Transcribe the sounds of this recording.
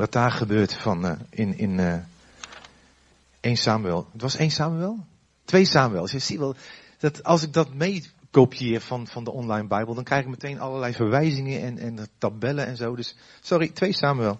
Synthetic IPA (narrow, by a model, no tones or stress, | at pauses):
ʋɔt̚daːχəbøːɹtfɔnʔɪnɪnə | ʔejnsaːmyɛlˠətʋɔseːnsaːmyɛlˠ | tʋejsaːməʋɛlˠsjɛsiʋɛlˠ | d̥ɔtɑlˠsɪk̚dɔtmejkowpijɪːrfɔnfɔndəʔɔnlajnbɛjbəlˠdɔnkrɛjχɪkmətʰejnɑləlɛjfərʋɛjzɪŋəʔɛnɛntabɛlənɛnzowdøssɔɾitʋejsaːmyʋɛlˠ